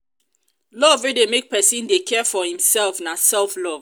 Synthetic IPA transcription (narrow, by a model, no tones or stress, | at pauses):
lɔvidemek̚pʰɛsĩndekʰɛfɔhĩmsɛlfnasɛlflɔv